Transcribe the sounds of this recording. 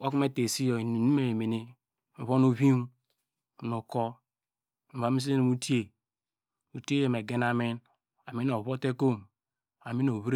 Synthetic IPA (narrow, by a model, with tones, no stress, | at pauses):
wa˦k̬u˦me˦te˨si˦jo˨ni˦me˦˨e˨me˨ne˦ | m̩˨βo˦no˦βi˦m˦˨ | no˨ko˦ | m̩˨βa˨mi˦s̬i˦e˦ni˨mu˦ti˦e˨ | u˨te˦je˨me˨ɡe˦na˨mi˦n | a˨mi˦no˨βo˦te˦ko˦˨m | a˨mi˦no˨βi˦ɾ